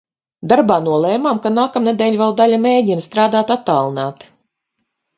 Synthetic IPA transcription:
d̪aɾbaːnuɔlˠɛːmaːmkanaːkamned̪ɛːlʲvɛlˠd̪alʲameːdʲinst̪ɾaːd̪aːt̪at̪ːaːlˠinaːt̪

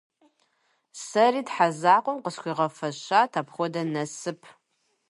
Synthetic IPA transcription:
sɐriːdħazaːqʷɔmqəskʷiːʁɐfɐʃaːtʰaːpχʷɔdɐnɐsɨpʰ

